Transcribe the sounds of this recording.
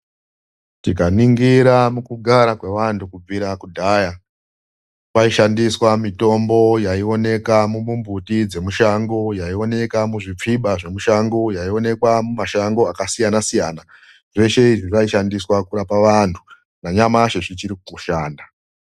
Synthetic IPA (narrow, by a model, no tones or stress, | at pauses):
tikaniŋɡiɾamukuɡʱaɾakwe̞ʋantʰukub͡viɾakudʱaːja | paiʃandiswamito̞mbo̞jaio̞ne̞kamumumbutid͡ze̞muʃaŋɡo̞jaio̞ne̞kamuʐip͡fiɓaʐe̞muʃaŋɡojaio̞ne̞kwamumaʃaŋɡo̞akasijanasijaːna | ʐe̞ʃe̞iʐiʐaiʃandiswakurapaʋantʰu̥ | naɲamaʃeʐit͡ʃiɾikkuʃaːnda